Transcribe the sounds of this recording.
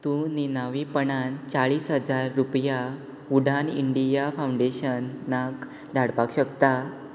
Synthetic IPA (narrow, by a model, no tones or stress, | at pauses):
t̪ũninaʋipəɳant͡saɭiːsɦəd͡zaɾːupja | uɽʱanḭɳɖijafauɳɖeɕənːak | d̪ʱaɽpakɕəkt̪a